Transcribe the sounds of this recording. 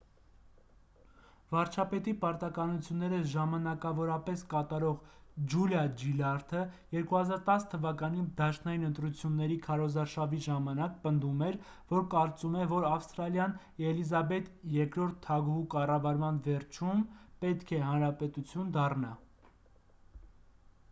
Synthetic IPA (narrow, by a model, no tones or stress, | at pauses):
vɑɾt͡ʃʰɑpɛt̪ipɑɾt̪ɑkɑnut͡sʰjunːɛɾəʒɑmɑnɑkɑvɔɾɑpɛskɑt̪ɑɾɔʁd͡ʒuljɑd͡ʒilɑɾt̪ʰəjɛɾkuhɑzɑɾt̪ɑst̪ʰəvɑkɑnid̪ɑʃnɑjinənt̪ɾut͡sʰjunːɛɾikʰɑɾɔzɑɾʃɑviʒɑmɑnɑk̚pənd̪umɛl | vɔɾkɑɾt͡sumɛvɔɾɑfst̪ɾɑljɑn | ɛlizɑbɛt̪jɛɾkɾɔɾt̪ʰːɑɡukɑrɑvɑɾmɑnvɛɾt͡ʃʰumpɛt̪kʰɛɦɑnɾɑpɛt̪ut͡sʰjund̪ɑrnɑ